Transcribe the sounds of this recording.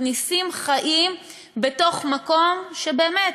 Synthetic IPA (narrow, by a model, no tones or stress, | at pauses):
nisimχaʔim | be̞to̞χmako̞mʃe̞be̞ːmet